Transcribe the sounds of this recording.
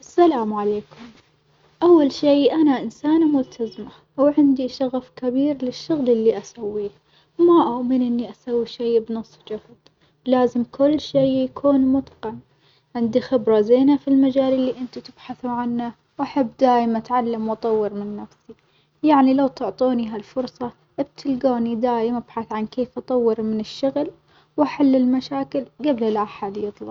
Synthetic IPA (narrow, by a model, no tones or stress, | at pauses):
ʔasːalaːmʕaleːkʊm | ʔawːalʃiːʔanaʔɪnsaːnmʊlt̪ʰazma | wʕɪnd̪iʃaɣafkabiːɾlɪʃːʊɣlɪlːiʔasawːiːh | wmaʔʊʔmɪnʔɪnːiʔasawːiʃejbnɨsˤːd͡ʒʊhd̪ˤ | laːzɪmkʊlːʃiːjakʰuːnmʊt̪ˤqɪn | ʕɪnd̪ixɪbɾˤɑzeːnafilmad͡ʒaːlɪlːiʔɪnt̪it̪ɪb̥ħaθuʕanːa | wʔaħabːd̪aːjmaʔat̪ʕalːamwɑt̪ˤɑwːɨɾmɪnːafsi | jaʕnilawt̪ʊʕt̪ˤuːniɦalfʊɾsˤɑ | ʔb̚t̪ʰɪlɡaːnid̪aːjɪmʔab̥ħaθʕankeːfʔɑt̪ˤɑwːɪɾmɪnɪʃːʊɣl | wʔaħalːɪlmaʃaːkɪlɡablɪlʔaħad̪jɨt̪ˤlɑ